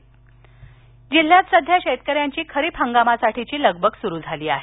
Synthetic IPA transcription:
d͡ʑil̤ːjat̪səd̪ʱjaɕet̪kəɾjaɲt͡ɕiːkʰəɾiːpʰəŋɡamasaʈit͡ɕiːləɡbʱəɡsuɾuːd͡zʱaliːaɦe

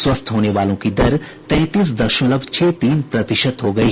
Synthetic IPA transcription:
swəst̪ʰɦoːneʋaːlõkid̪ɐɾt̪ɛ̃ːt̪iːs̬d̪ɐʃõləbʱt͡ʃʰeːt̪iːnpɾɐt̪ɪʃət̪ɦoːɡɐi

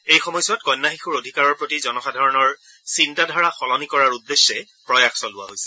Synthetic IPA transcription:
ejxɔmɔjsʊatkɔjnːaxixuɹodʱikaɹɔɹpɹotizɔnɔxadʱaɹɔnɔɹ | sintadʱaɹaxɔlɔnikɔɹaɹudːesːɛ | pɹɔjaxsɔlʊwa̰ɦojsɛ̥

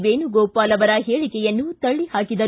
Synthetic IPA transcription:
ʋeːnuɡɔːpaːlɐʋɐɾɐɦeːɭikɛjɐnːut̪ɐɭːihaːkid̪ɐ

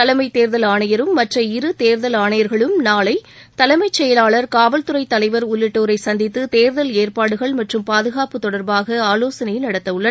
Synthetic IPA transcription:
ɐlɐmɐɪt̪eːɾðɐlaːɳɐjɐɾɯmːɐʈrɐɪɾɯt̪eːɾðɐlaːɳɐjɐɾɣɐɭɯmnaːlɐɪ | t̪ɐlɐmɐɪt͡ʃːɛjɐlaːɭɐɾkaːʋɐlt̪ɯɾɐɪt̪ːɐlɐɪʋɐɾʊlːɪʈːoːɾɐɪsɐnd̪ɪt̪ːɯt̪eːɾðɐleːrpaːɽɯɣɐɭmɐʈrɯmpaːðɯɣaːpɯt̪ɔɽɐɾbaːɣɐaːloːsɐnɐjɪlnɐɽɐt̪ːɐɯɭːɐ

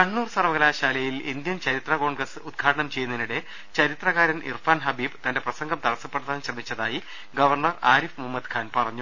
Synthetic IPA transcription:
kɐɳːuːrsɐrʋɐɣɐlaːɕaːlɐjilind̪jɐmt͡ɕɐɾit̪rɐko̞ːɳɡrɐsɨud̪̚ɡʰʱaːɽɐɳɐmt͡ɕe̞junːɐniɽe̞ | t͡ɕɐɾit̪rɐɣaːɾɐnʔḭrfaːnɦɐbiːbt̪ɐnde̞prɐsɐŋɡɐmt̪ɐɽɐsːɐpːeɽuðaːnɕrɐmit͡ɕːɐðaːji | ɡɐʋɐrɳɐraːɾifmumːɐd̪kʰaːnpɐrɐɲːu

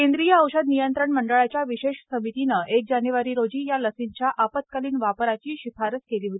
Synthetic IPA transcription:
kẽnd̪ɾijəːwɕəd̪nijənt̪ɾəɳməɳɖəɭat͡ɕjaʋiɕeʂsəmit̪inəʔek̚d͡ʑanjuʋaɾiːɾod͡ʑiːjaləsint͡ɕjaʔapət̪̚kaliːnʋapɾat͡ɕiːɕifaɾət̪keliːɦot̪i

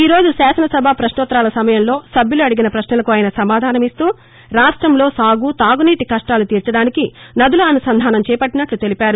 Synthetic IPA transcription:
iːɾo̞ːd͡ʒusaːsɐnɐsɐbʱapɾɐʃnɔːt̪ːɾaːlɐsɐmɐjɐmlo̞ːsɐbʱjuluɐɽiɡinɐpɾɐʃnɐlɐkuaːjɐnɐsɐmaːd̪ʱaːnɐmist̪uː | ɾaːʂʈɾɐmlo̞ːsaːɡuːt̪aːɡuniːʈikɐʂʈaːlut̪iːɾt͡ʃɐɽaːnikinɐd̪uluɐnusɐnd̪ʱaːnɐmt͡ʃɛːjɐpɐʈːinɐʈlut̪e̞lipaːɾu

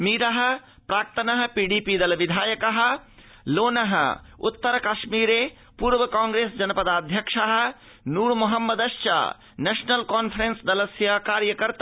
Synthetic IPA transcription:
miːɾɐɦ̆ | pɾaːkt̪ɐnɐɦ̆piːɖipid̪ɐlʋid̪ʱaːjəkɐɦə̆ | loːnɐɦə̰̆ṵt̪ːəɾɐkɐʃmiːɾe | puːɾʋɐkaːŋɡɾeːsd͡ʒɐnɐpɐd̪aːd̪ʱjɐkʂaɦ̆ | nuːɾmoɦɐmːəd̪ɐʃt͡ʃa̰ | neːʃnɐlkaːnpʰɾẽnsd̪ɐlɐsjɐkaːɾjɐkɐɾt̪a

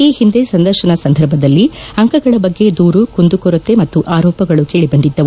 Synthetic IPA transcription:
iːhind̪e̞sɐnd̪ɐɾʃɐnɐsɐnd̪ʱɐɾbʱɐd̪ɐlːiɐŋkɐɡɐɭɐbɐɡːe̞d̪uːɾukond̪ukɔɾut̪ːe̞mɐt̪ːuʔaːɾɔːpɐɡɐɭukeːɭibɐnd̪id̪ːɐʋu

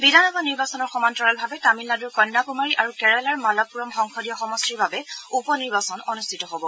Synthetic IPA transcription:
bidʱanɔbʱaniɹbasɔnɔɹxɔmantɹɔɹalbʱabɛtamilnaduɹkɔjnːakumaɹiʔaɹukɛɹɛlaɹmalɔpːuɹɔmxɔŋxɔdijɔxɔmɔstiɹbabɛupɔniɹbasɔnɔnustʰitɔɦobɔ

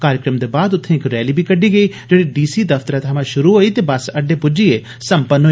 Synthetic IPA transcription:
kaːɾjəkɾəmd̪ebaːd̪ʊt̪ʰːẽɪkɾɛːliːbʱikəɖiːɡəiː | d͡ʒeːɽiɖiːsiːd̪ɐfʰt̪əɾãt̪ʰɐmãʃʊɾuɦoːit̪ebɐsɐɖːepʊd͡ʒie | sɐ̃mpənɦo

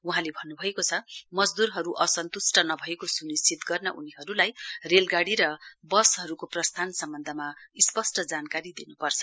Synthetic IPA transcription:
uɦãlebʱʌnːubʱʌekot͡sʰʌmʌd͡zd̪urɦʌɾuʔʌsʌnt̪usʈʌnʌbʱʌekosunist͡sʰit̪ɡʌrnʌʔṵniɦʌɾulajrelɡaɽiɾʌbʌsɦʌɾukoprʌst̪ʰansʌmbʌnd̪ʱʌmaispʌsʈʌd͡zankaɾid̪inupʌrt͡sʰʌ̥

